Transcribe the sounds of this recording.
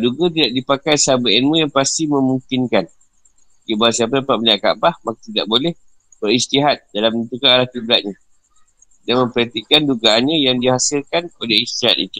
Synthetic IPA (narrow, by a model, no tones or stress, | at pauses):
duɡət̪̬idaʔdipakajsabainmũjaŋpast̪imə̃muŋkinkan | kibasiapadapaʔbənaʔka̰bahmakḁt̪ida̰ʔbolɛh | b̥əɾist̪iɦat̪̚dalamənt̪ukaalahk̪iblaʔ̪̚ɲa | danmə̃mpəɾat̪ikːanduɡaanɲãjaŋdihasilkanolɛist̪iɦat̪̚ḭt̪u̥